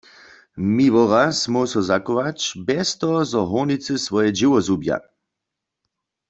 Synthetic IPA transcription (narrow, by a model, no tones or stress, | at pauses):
miʋɔʁasmɔsɔzakɔʋat͡ʃbɛst̪ɔzɔɦɔʁnit͡sɨsvʋɔjɛd͡ʒiwɔzubja̰